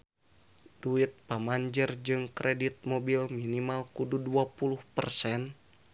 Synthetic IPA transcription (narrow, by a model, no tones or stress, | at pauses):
d̥uit̪̚pamaɲd͡ʒərd͡ʒɨŋkɾʔɛdit̪̚mobilminimalkududuapuluhpərsɛn